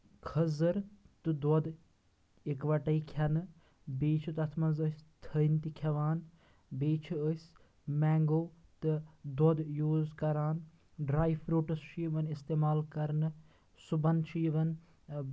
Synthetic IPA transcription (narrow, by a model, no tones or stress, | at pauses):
kʰɐzɨɾt̪ɨd̪ɔd̪ | ikʋɐʈɐikʰɐnɨ | beːt͡ʃʰut̪ɐt̪ʰmɐzəsʲt̪ʰənt̪ikʰɐʋaːn | beːt͡ʃʰuəsʲ | mɛːŋɡoːt̪ɨd̪od̪juːzkɐɾaːn | ɖɾaːifɾuːʈɐst͡ʃʰiːʋɐnist̪eːmaːlkɐɾnɨ | subɐnt͡ʃʰiːʋɐn